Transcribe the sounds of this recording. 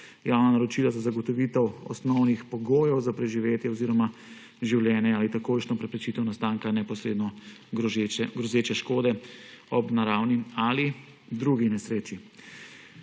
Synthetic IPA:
jawnanaɾɔt͡ʃilazazaɡɔt̪ɔʋit̪ɛwɔ̰snɔwnixpɔɡoːjɛwzapɾɛʒiʋeːt̪jɛɔziːɾɔma | ʒiwljɛːnjɛaːlit̪akojʃnɔpɾɛpɾɛt͡ʃit̪ɛwnast̪aːŋkanɛpɔsɾed̪nɔ | ɡɾɔzeːt͡ʃɛʃkoːd̪ɛɔbnaɾaːwniali | d̪ɾuɡinɛsɾeːt͡ʃi

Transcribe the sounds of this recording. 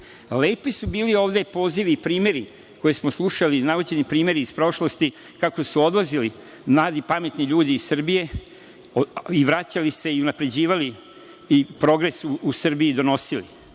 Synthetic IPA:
leːpisubiːlio̞ːʋd̪e̞po̞ːziʋiːpɾiːmje̞ɾi | ko̞jesmoslˠuʃalinaʋud͡ʑe̞nipɾiːme̞ɾiːspɾo̞ʃlo̞st̪i | kako̞suo̞d̪lazili | mlˠaːd̪ipame̞t̪niʎuːd̪iːssr̩bije̞ | iʋɾat͡ɕalise̞iunapɾe̞d͡ʑiːʋali | ipɾo̞ɡɾe̞suusr̩biid̪o̞no̞silḭ

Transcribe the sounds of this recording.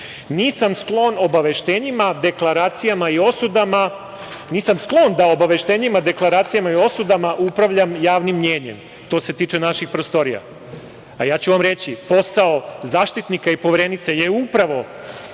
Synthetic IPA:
niːsamsklˠo̞no̞baʋe̞ʃt̪eːɲimad̪e̞klˠaɾaːt̪sijamaio̞sud̪ama | niːsamsklˠo̞nd̪ao̞baʋe̞ʃt̪e̞ːɲimad̪e̞klˠaɾaːt̪sijamaio̞sud̪amaʔupɾaʋʎamjaːʋnimːɲe̞ːɲḛm | t̪o̞ːse̞t̪iːt͡ʃenaʃixpɾost̪o̞ɾija̰ | ajaːt͡ɕuʋamɾe̞t͡ɕipo̞saozaːʃt̪it̪nikaipoʋeɾenit̪sejeupɾaʋo̞

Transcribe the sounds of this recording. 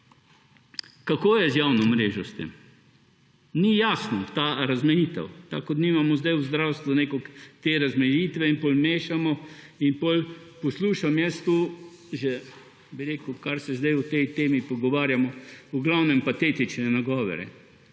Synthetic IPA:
kakoːjɛzjawnɔmɾeːʒɔst̪ḛm | nijaːsnɔt̪aɾazmɛjit̪ɛ̰wt̪a̰kɔd̪niːmamɔzd̪ajuzd̪ɾawst̪ʋuneːkɔkt̪eːɾazmɛjiːt̪ʋɛinpolmeːʃamɔinpolpɔsluːʃamjɛst̪u | ʒɛ | biɾeːkukaɾsɛzd̪ajut̪ɛjt̪eːmipɔɡɔʋaːɾjamɔuɡlawnɛmpat̪eːt̪it͡ʃnɛnaɡɔːʋɔ̰ɾɛ̰

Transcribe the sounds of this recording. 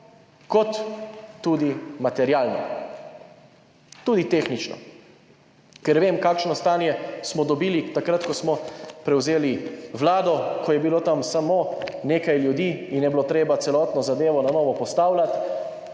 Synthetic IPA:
kɔt̪ː | uːd̪imat̪ɛɾjaːlnɔ̰ | t̪uːd̪it̪exnit͡ʃnɔ̰ | kɛɾʋeːmkaːkʃnɔst̪aːnjɛsmɔd̪ɔbiːlit̪akɾat̪kɔsmɔpɾɛwzeːliʋlaːd̪ɔkʰɔjɛbiloːt̪amsamoneːkajljud̪iːinjɛbilot̪ɾeːbat̪sɛlɔːt̪nɔzad̪eːʋɔnanɔːʋɔpɔst̪aːwlat̪

